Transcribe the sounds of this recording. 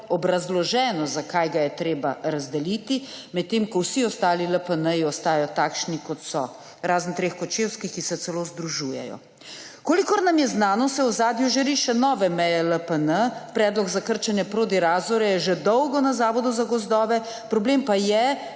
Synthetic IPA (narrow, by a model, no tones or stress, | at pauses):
ɔbɾazlɔʒɛːnɔzakajɡajɛt̪ɾeːbaɾazd̪ɛlit̪imɛt̪ːemkɔwsiɔst̪aːliləpənəjiɔst̪aːjjɔt̪aːkʃnikɔt̪sɔ̰ | ɾaːznt̪ɾeːxkɔt͡ʃewskixkisɛt̪sɛlozd̪ɾuʒuːjɛ̰jɔ̰ | koːlikɔɾnamjɛznaːnɔsɛwzaːd̪juʒɛɾiːʃɛnɔːʋɛmɛjɛləpənəpɾɛːd̪lɔɡzakəɾt͡ʃanjɛpɾoːd̪iɾaːzɔɾɛjɛʒɛd̪ɔwɡɔnazaːʋɔd̪uzaɡɔzd̪ɔːʋɛ | pɾɔbleːmpajɛ